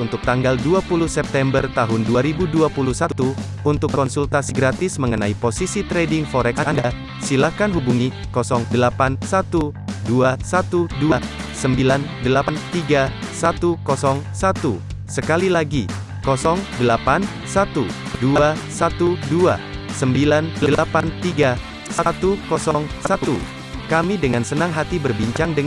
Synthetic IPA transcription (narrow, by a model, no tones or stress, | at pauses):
unt̪ʊk̚t̪aŋɡalduapuluhsɛp̚t̪ɛmbərt̪aɦʊnduaɾibuduapuluhsat̪u | unt̪ʊkːkɔnsult̪asiɡɾat̪ɪsməŋənaiposisit̪ɾɛdɪŋfɔɾɛksaanda | silahkanɦubuŋi | kɔsɔŋdəlapansat̪uduasat̪uduasəmbilandəlapant̪iɡa | sat̪ukɔsɔŋsat̪u | səkalilaɡi | kɔsɔŋdəlapan | sat̪uduaasat̪udua̰səmbilandəəlapant̪iɡa | saat̪ukɔsɔŋsat̪u | kamidəŋansənaŋɦat̪ibərbiɲt͡ʃaŋdə